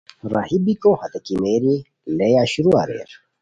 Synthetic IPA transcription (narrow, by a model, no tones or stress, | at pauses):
ɾa̰hibikohɐt̪ɐkimeːɾi | lejaːɕuɾua̰ːɾḛːɾ